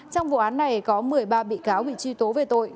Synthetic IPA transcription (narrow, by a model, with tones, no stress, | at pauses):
t͡ɕɔ˧wŋ͡mvṵ˧˨ʔaː˨˦nːa˨˩jkɔ˨˦mɨ˨˩əjɓaː˧ɓḭ˧˨kaː˨˦wɓḭ˧˨t͡ɕwi˧t̪o˨˦ve˨˩t̪o˧j